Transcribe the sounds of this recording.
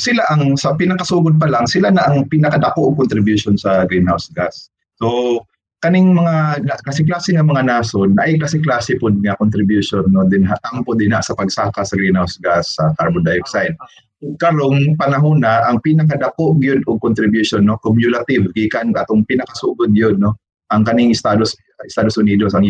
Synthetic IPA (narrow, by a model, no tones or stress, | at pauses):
sɪlaʔɐŋsɐpɪnɐkɐsuːɡʊd̪̚pɐlaŋsɪlanaʔɐŋpinɐkɐd̪ɐkoʔʊɡ̚kʊnt̪ɾɪbjʊʃonsɐɡɾinhawsɡasː | o | kɐnɪŋmɐŋanakasɪklaːsɪŋɐmɐŋanaːsonːɐʔajklaːsɪklaːsɪpʊd̪̚ŋɐkʊnt̪ɾɪbjuʃonːod̪ɪnɦaʔʔ̪ampʊd̪ɪnhaʔsɐpɐɡsaːkasɐɡɾinhawsɡasːɐk̪aɹbʊd̪ajoksajd̪̚ | kɐɾonpɐnaɦuːnaʔaŋpinɐkad̪ɐkoʔɡjʊd̪ʊɡ̚kʊnt̪ɾɪbjuʃonːokomjʊlat̪ɪvɡiːkanat̪oŋpinɐkasuːɡʊd̪̚jʊd̪̚no | ʔɐŋkɐnɪŋʔɪst̪ad̪os | ɪst̪aːd̪osʊniːd̪osaŋ